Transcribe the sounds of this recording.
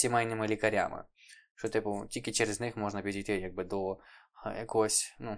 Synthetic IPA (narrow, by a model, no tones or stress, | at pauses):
sʲimɛjnɪmɪlʲikɐɾʲa̰mɪ̰ | ʃt͡ʃɔt̪ɪpʊtʲilʲkʲɪt͡ʃɛɾɛznɪxmɔʐnɐpʲidʲijt̪ɪjaɡ̚bɨd̪ɔ | jɐkɔsʲnu